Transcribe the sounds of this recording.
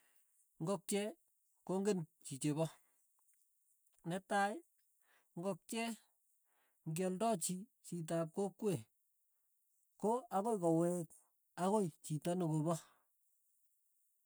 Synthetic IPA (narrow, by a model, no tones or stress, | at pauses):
ŋɡɔk̚t͡ʃɛ | koŋɡent͡ʃit͡ʃeβɔ | nɛtaj | ŋɡɔk̚t͡ʃɛ | ŋɡɔldɔt͡ʃit͡ʃit̬ap̬̚kokːwe | koakojkɔwɛk̚ | akojt͡ʃitanukobɔ